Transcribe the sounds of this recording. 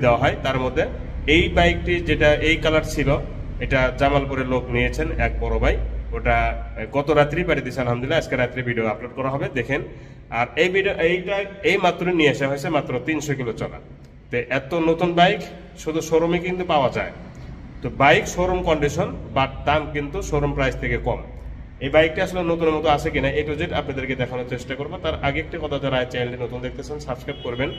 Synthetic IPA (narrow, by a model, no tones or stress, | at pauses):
d̪eoaɦɔet̪aɾmod̪ʱːe | ejbajk̚ʈid͡ʑeʈaʔejkalaɾt͡ɕʰilo | ejʈad͡ʑamalpoɾelokniet͡ɕʰenɛk̚bɔɾobajk̚oʈaɡɔt̪oɾat̪ːɾipaʈid̪it͡ɕʰealɦamd̪ulːaad͡ʑkeɾat̪ːɾibʱiɖioaploɖ̚kɔɾaɦɔbed̪ekʰen | aɾejbʱiɖioʔejʈaejmat̪ːɾoinieaʃaɦojt͡ɕʰemat̪ːɾot̪inʃɔk̬ilot͡ɕɔla̰ | t̪eʔɛt̪onot̪unbajk | ʃud̪ʱuʃoɾomikint̪upaoad͡ʑa̰e | t̪obajkʃoɾomkɔɳɖiʃonbad̪amkint̪uʃoɾompɾajst̪ʰekekɔm | ejbajk̚ʈiaʃolenot̪uneɾmɔt̪oat͡ɕʰekinaʔejʈod͡ʑeʈa̰pnad̪eɾked̪ɛkʰanot͡ɕeʃʈakoɾbot̪aɾʔaɡeek̚ʈikɔt̪ʰad͡ʑaɾaet͡ɕɛnʈinot̪und̪ek̚ʰt̪et͡ɕʰensabskɾajp̚koɾben